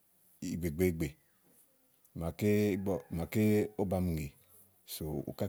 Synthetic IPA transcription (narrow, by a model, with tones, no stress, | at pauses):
i˨ɡ͡be˨ɡ͡be˨ɡ͡be˨ | ma˨ke˦ɔ˨ma˨ke˦o˦ba˨m˨ŋe˨ | so˨ṵ˨ka˦